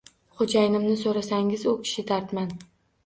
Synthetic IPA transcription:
χod͡ʒajɪnɪmnɪsoɾasaŋɪzʊkʲʰɪ̥ʃɪd̪aɾt̪man

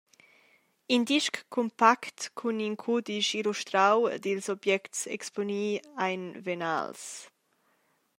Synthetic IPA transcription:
indiʃkʰːɔmpakt̪kʰuniŋkʰud̪iʃiluʃt̪ɾaw̰d̪ilsɔbjɛktsɛ̰ksponiːajnvena̰ls

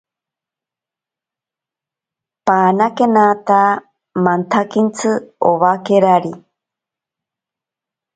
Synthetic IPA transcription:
paːnakenat̪a | mant̪ʰakint͡sʰɨoβakeɾaɾi

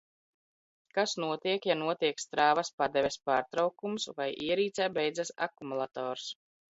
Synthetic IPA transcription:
kasnuɔt̪iɛkjanuɔt̪iɛkst̪ɾaːvaspad̪ɛvʲespaːɾt̪ɾawkumsvajʔiɛɾiːt̪sɛːbɛjd̪zasa̰kumulˠat̪ɔːɾs

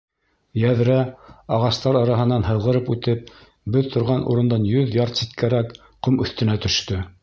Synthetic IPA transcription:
jæðɾæɑʁɑst̪ɑɾɑɾɑɦɤ̆nɑnɦɤ̆ðˠʁɤ̆ɾɤpʉt̪ɘp̚ | bɵðt̪ŏɾʁɑnʔṵɾɤ̆nd̪ɑnjɵðjɑɾt̪sit̪̚kæɾæk | qomɵ̆θt̪ɘ̆næt̪ɵ̆ʃt̪ɵ

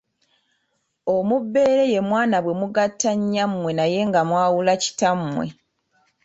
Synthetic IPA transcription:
omubːe̞ːɾe̞je̞mwaːnaβwe̞muɡatːaɲːammwe̞naje̞ŋɡamwaːwulaci̥tamːwe̞̰

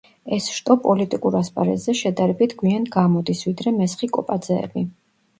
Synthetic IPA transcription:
ɛsʃt̪ʼɔpʼɔlit̪ʼikʼuɾaspʼa̰ɾɛ̰zɛʃɛd̪aɾɛbit̪ʰɡwianɡamɔd̪isvid̪ɾɛmɛsχikʼɔpʼad̪zɛ̰ːbi

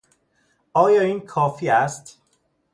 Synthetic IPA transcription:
ɒːjɒːiːnkʰɒːfiːæst̪

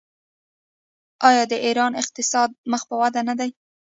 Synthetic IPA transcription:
ɑjɑd̪əʔiɾɑnɪq̚t̪ɪsɑd̪̚məxpəwad̪anad̪aj

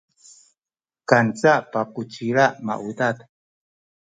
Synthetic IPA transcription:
kant͡sapakut͡ʃiɾaʔma̰ʔud̪at̪

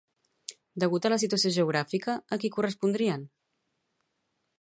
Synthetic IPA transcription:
d̪əɣ̞ut̪ələs̬it̪uəsijoʒəuɣ̞ɾafikəːkikurəspund̪ɾiən

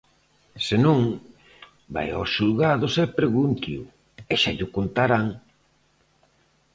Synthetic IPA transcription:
sɪnõŋ | ba̰ja̰sʃulɣaðosɛpɾeɣunt̪iʊ | ɛʃa̰ʎʊkont̪aɾaŋ

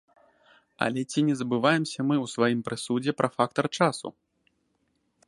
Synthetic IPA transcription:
ɐ̰lʲɛt͡sʲinʲɛzɐbɨvajɛmsʲɐmɨwsvajimpɾɨsud͡zʲɛpɾʔɐfak̚t̪ɐrt͡ʂasṵ

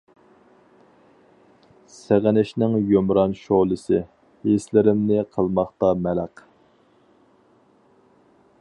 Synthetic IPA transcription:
sæʁænɪʃnɪŋjomɾɑnʃoʁlˠɨsɨ | eslɪɾɪmnɪqʰəlˠmɑχt̪ɑmɛlæq

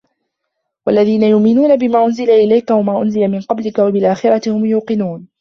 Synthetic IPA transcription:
wa̰lːaðiːnajʊʔmɪnuːnabɪmaːʔʊnzɪlaʔɪlajkawamaːʔʊnzɪlamɪnqɑblɪkawabɪlʔaːxɪɾˤɑt̪ɪhʊmjuːqɪnuːn

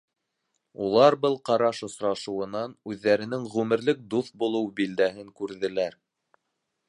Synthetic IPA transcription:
ulˠɑɾbɤlˠqɑɾɑʃŏsɾɑʃŭwɤ̆nɑnʉðːæɾɘ̆nɘŋʁʉmɘ̆ɾlɘk̚d̪uθbulˠɤwbild̪æɦɘŋkʉɾðɘ̆læɾ

